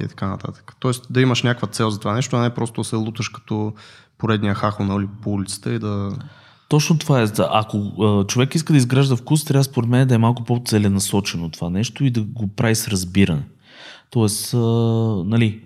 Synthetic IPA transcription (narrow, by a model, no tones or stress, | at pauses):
ḭt̪ɐ̥kanɐ̰t̪a̰t̪ə̥kə̥t̪ɔɛsd̪ɐiməʃnʲakvət̪sɛlˠzɐt̪ovanɛʃt̪oɐnɛpɾɔst̪ʊd̪ɐsɛlˠut̪əʃkɐ̥t̪ɔ | poɾɛd̪nijəxaxonulipoulʲit̪sə̥t̪əid̪ɐ | t̪ɔt͡ʃnot̪ovaɛaʔɐkoət͡ʃovɛkiskəd̪ɐizɡɾaʒd̪əfkust̪ɾʲavəspoɾɛt̪mɛnɛd̪ɐɛmalˠkʊpot̪sɛlɛnɐsɔt͡ʃɛnot̪ovanɛʃt̪oid̪ɐɡopɾavisɾɐzbiɾɐnɛ | t̪ɔɛsənɐli